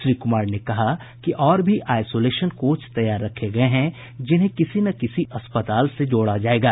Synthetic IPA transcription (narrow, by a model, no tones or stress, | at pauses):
ʃɾiːkʊmaːɾnekɐɦa | kiʔɔːɾbʱiʔaːɪsoːleːʃənkoːt͡ʃt̪ɐjaːɾːɐkʰːeɡɐeɦɛ̃ | d͡ʒɪnɦẽkɪsinɐkɪsiʔɐspət̪aːlsed͡ʒoːɽad͡ʒaːeːɡaː